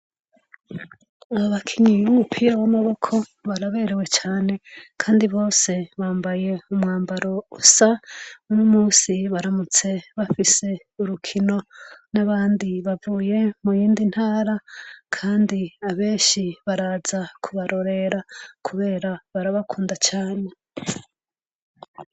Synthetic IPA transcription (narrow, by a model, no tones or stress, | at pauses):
aβoβakʰiɲiupʰijawamaβo̞kʰo̞βaɾaβe̞ːɾewe̞t͡ʃaːne̞kʰaːndiβo̞ːse̞βaːmbaje̞umŋaːmbaɾo̞usaunomuːsiβaɾamut͡se̞βafise̞ | uɾukʰino̞naβaːndiβavuːje̞mujiːndin̥haːɾakʰaːndiaβe̞ːnʃiβaɾaːzakʰuβaɾo̞ɾe̞ɾakʰuβe̞ːɾaβaɾaβakʰuːndat͡ʃaːne̞